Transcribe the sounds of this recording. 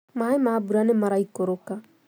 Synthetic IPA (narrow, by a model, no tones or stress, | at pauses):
maemabuɾanemaɾaikoɾokã